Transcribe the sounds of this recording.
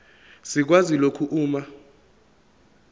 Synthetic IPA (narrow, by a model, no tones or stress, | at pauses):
sik̬wazilokʰuʔuːma